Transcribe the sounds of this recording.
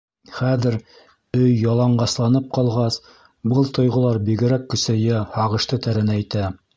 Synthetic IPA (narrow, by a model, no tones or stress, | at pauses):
χæðɘɾ | ɵjːɑlˠɑɴɢɑslˠɑnɤp̚qɑlˠʁɑs | bɤlˠt̪ŏjʁŏlˠɑɾbiɡɘ̆ɾækːɵ̆sæjæhɑʁɤ̆ʃt̪ɤt̪æɾɘ̆næːjt̪æ